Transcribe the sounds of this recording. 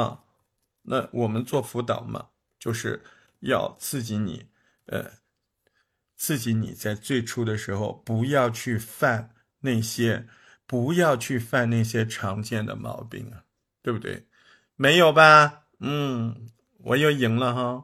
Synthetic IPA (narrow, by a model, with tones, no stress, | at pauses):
na̰˥˧˩wɔ˨˩mə˦nt͡swɔ˥˩fu˧˥t̪ɑ̰˨˩ʊmɐ̰˦ | t͡ɕjo˥˧ʊʂɻ̩˥˧ | jɑ̰˥˧ʊt͡sʰɹ̩˥˩t͡ɕi˧˥nḭ˨˩˦ | ə̰˧˩ | t͡sʰɹ̩˥˩t͡ɕi˧˥nḭ˨˩t͡sa˥˧ɪt͡swe˥˩ɪʈ͡ʂʰu˥d̪ə˨ʂɻ̩˧˥xo˧ʊpu˧˥jɑ˥˧ʊt͡ɕʰy˥˧fa˥˧n | na˥˩ɪɕjɛ˥ | pu˧˥jɑ˥˧ʊt͡ɕʰy˥˧fa˥˧nna˥˩ɪɕ̬jɛ˥ʈ͡ʂʰɑ˧˥ŋt͡ɕjɛ˥˩nd̪ə̰˩mɑ̰˧˥ʊpḭ˥˩ŋ˩ | t̪we˥˧ɪbt̪wḛ˥˩ɪ | me˧˥ɪjo˨˩ʊbɐ˧ | n̩˥˩ | wɔ̰˨˩˦jo˥˩ʊi˨˩ŋlə˧xɑ˥˧